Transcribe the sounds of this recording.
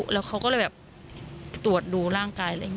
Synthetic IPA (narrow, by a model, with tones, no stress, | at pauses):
lɛː˦˥wkʰa˦˥kɔː˥˩lɛ˧˩bɛː˨˩p̚ | t̪u˨˩ə˩t̪̚duː˧ɾaː˥˩ŋkaː˧jʔa˧˥˩